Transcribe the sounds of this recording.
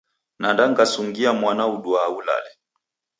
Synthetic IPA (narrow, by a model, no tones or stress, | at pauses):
nandaŋɡasuŋɡiamwanauɗuaula̰lɛ